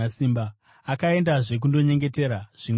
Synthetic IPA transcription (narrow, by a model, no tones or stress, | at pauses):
asiːmba | akae̞ndaʐe̞k̬undo̞ɲe̞ŋɡe̞te̞ɾaʐ̥i